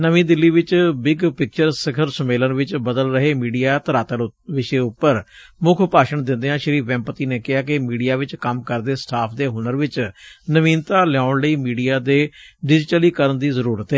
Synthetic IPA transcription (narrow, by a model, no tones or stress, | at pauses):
nəʋĩːd̪ɪlːiːʋɪt͡ʃbɪɡpɪk̚t͡ʃəɾsəkʰəɾsəmeːlənʋɪt͡ʃbəd̪əlɾəɦeːmiːɖijaːt̪əɾaːt̪əɾʋɪʃeːʊpːəɾmʊkʰʊpaːʃəɳd̪ɪ̃nd̪eːɦãːʃəɾiːʋɛ̃ːmpət̪iːneːkɪɦaːk̬ɪmiːɖijaːʋɪt͡ʃkəmkəɾd̪eːsʈʰaːpʰd̪eːɦʊnəɾʋɪt͡ʃnəʋĩːnt̪aːlɛãːɳləiːmiːɖijaːd̪eːɖɪd͡ʒʈəliːkəɾənd̪iːzəɾuːɾət̪ɦɛː